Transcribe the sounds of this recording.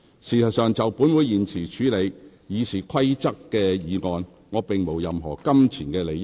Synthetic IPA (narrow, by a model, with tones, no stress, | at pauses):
siː˨˩sʰɐ˨˩sœː˨ŋt͡sɐ˨wpuː˨˥nwu˨˧jːiː˨nt͡sʰiː˨˩t͡ʃʰyː˨˧˥le˨˧j | jiː˨˧t͡sʰiː˨˩kʰɐ˥jt͡sɐ˥kːɛː˧jiː˨˧ŋɔː˨˧n | ŋɔː˨˧pɪ˨ŋmo˨˩wjɐ˨mɦɔː˨˩kɐ˥mt͡sʰiː˨˩nkɛː˧le˨˩j